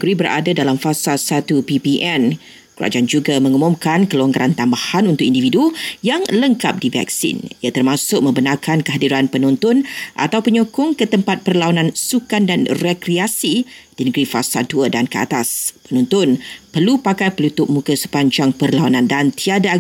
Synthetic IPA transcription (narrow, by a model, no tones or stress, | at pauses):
ɡɾibəɾʔa̰dadalamfasalsat̪upipiʔɛn | kuɾa̰d͡ʒaʔand͡ʒuɡamə̃ŋumʊ̃mkankəluaŋɡaɾʔant̪ambahanunt̪ʊk̚ʔindividujaŋləŋkap̚divɛ̰ksḭnjat̪ərmãsʊk̚mə̃mbənarkʰankəɦadiɾanpənɔ̃nt̪ʊnʔa̰t̪awpəɲokʊŋkət̪əmpat̪̚pərlawanãnsukandanrekɾiasid̥inəɡɾifa̰salduədankəa̰t̪aspənɔ̃nt̪ʊnpərlupakajpəlut̪ʊʔ̚mũkəsə̥paɲd͡ʒaŋpərlawanãndant̪iada